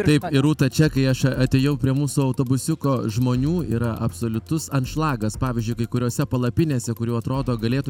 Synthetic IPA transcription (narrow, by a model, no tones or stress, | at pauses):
t̪ɐɪpɪɾuːt̪ɐt͡ʃʲɛkɐɪɐʃɐɐt̪ʲeːjɛʊpʲɾʲiɛmuːsʊɐʊt̪oːbʊsʲʊkoːʒmoːnʲuːḭːɾɐʔɐpsoːlʲʊt̪ʊsɐnt̪ʃlˠɑːɡɐspɑːʋʲizʲd͡ʒʊɪkɐɪkʊɾʲoːsʲɛpɐlˠɐpʲɪnʲeːsʲɛkʊɾʲuːɐt̪ɾoːd̪oːɡɐlʲeːt̪ʊ